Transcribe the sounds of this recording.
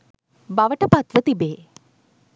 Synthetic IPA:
baʋəʈəpat̪ʋət̪ibeː

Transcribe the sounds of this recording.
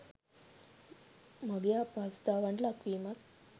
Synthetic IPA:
məɡjapad͡zd̪aʋaɳʈlakʋimat̪

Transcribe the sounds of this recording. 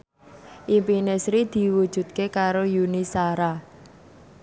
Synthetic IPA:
ʔimpinesɾid̪̥i̤wud̥ʒ̥ṳt̪̚kekaɾojunisaɾa

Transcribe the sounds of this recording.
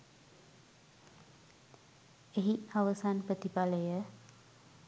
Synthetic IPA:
eɦiʔaʋəsanpət̪ipaləjə

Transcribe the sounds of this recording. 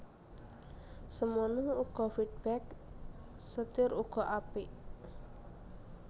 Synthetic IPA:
səmənuuɡ̥ɔfid̚bɛk | sət̪ɪɾuɡ̥ɔʔapɪʔ

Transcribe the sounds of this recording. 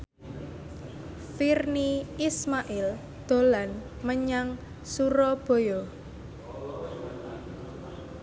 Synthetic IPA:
firniismaʔɪl | d̪̥o̤lan | məɲaŋ | suɾɔb̥o̤jɔ

